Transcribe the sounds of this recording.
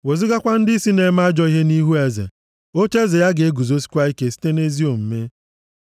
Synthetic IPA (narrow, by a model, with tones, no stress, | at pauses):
we˨zi˦ɡa˦kʷa˦n̩˦dɪ˦i˦si˦ne˨˦ma˦a˦d͡ʒɔ˦i˦ɦe˦ni˦ɦu˦e˨zḛ˨ | o˦t͡ʃe˦ze˨ja˦ɡe˨e˦ɡu˨zo˦si̥˦kʷa˦i˦ke˨si̥˦te˦ne˦zi˦o˨m̩˨me˦